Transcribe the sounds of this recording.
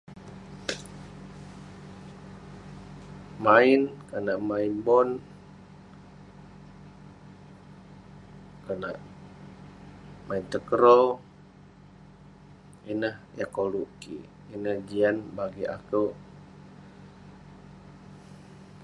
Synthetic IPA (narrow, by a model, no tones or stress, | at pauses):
mainkənaʔmainbɔn | kəna̰ʔ | maint̪əkəɾo | inəhɛkoluʔɡḭ | inəhd͡ʒianbaɡia̰kəʔ